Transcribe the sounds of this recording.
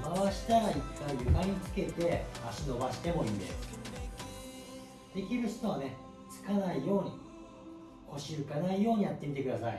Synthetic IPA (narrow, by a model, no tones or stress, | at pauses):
maβaɕi̥t̪aɾait̪ːaijɯ̟ɡaɲ̟it͡sɨ̥ke̞t̪e̞aɕino̞baɕi̥t̪e̞mo̞iːnd̪e̞̰sɨ̥ | d̪̥e̞kʲiɾɯ̟ɕi̥t̪oβane̞ | t͡sɨ̥kanaijo̞ːɲ̟ḭ | ko̞ɕiɯ̟kanaijo̞ːɲ̟ijat̪ːe̞mʲit̪e̞kɯd̪asa̰ḭ